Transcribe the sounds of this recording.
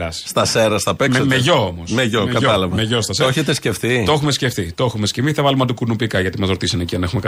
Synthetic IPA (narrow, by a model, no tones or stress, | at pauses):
ɐsst̪ɐseɾɐst̪ɐpesmeʝo̞omosmeʝokɐt̪ɐlɐvɐmeʝost̪ɐseɾoçet̪esce̞fθit̪o̞xumescefθit̪o̞xumescemiθɐvɐlumɐt̪ukunupikɐʝɐt̪imɐzɾo̞t̪isɐneciɐne̞xumek